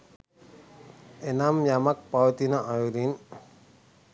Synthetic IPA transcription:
enamjamak̚pawt̪inaʔːuɾin

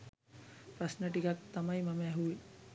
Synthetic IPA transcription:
prasnəʈikak̚t̪amajmaməːɦuʋi

